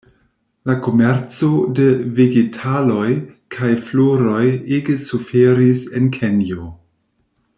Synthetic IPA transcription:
lako̞meɾt͡so̞deveɡetʰalo̞jkʰajfloɾo̞jeɡesufeɾisenkʰenjo

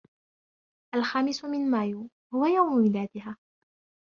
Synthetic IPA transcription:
ʔalxaːmɪsʊmɪnmaːjuː | hʊwajawmʊmɪlaːd̪ɪɦaː

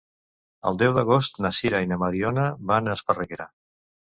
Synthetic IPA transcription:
ə̰lˠd̪ɛwd̪əɣost̪nasiɾainəmaɾionəβanəspərəɣeɾa̰

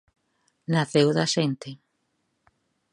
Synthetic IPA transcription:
naθewðaʃent̪e

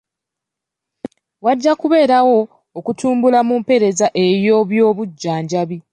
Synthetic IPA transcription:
waɟːakuβe̞ːɾawo̞ː | kutʰuːmbulamuːmpe̞ɾe̞zaʔe̞ɾjo̞ːβjo̞ːβuɟːaːɲɟaβi

